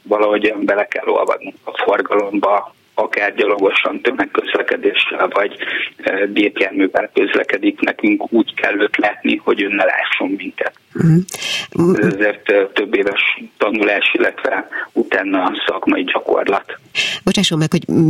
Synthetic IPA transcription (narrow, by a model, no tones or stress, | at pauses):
vɒlɒɦo̞ɟmbɛlɛkɛ̰lːo̞̰lvɒ̰d̪nuŋkɒfo̞rɡɒlo̞mbɒ | ɒkaːrɟɒlo̞ɡo̞ʃɒnt̪ømɛkːøzlɛkɛd̪eːʃɛlvɒɟ | b̪eːpjaːrmyːvɛlkø̞zlɛ̰kɛd̪iknɛkyŋkuːckʰɛ̰lːøːt̪laːt̪niho̞ɟøːnːɛla̰ːʃːo̞mmiŋkɛt̪̩ɦ̩ | ɛzɛzeːrt̪t̪ːø̞bːeːvɛʃt̪ɒnulaːʃilːɛt̪ʋɛ̰ut̪aːnːɒsɒkmɒ̰iɟɒko̞̰rlɒ̰t̪bo̞t͡ʃaːʃomːɛkho̞ɟ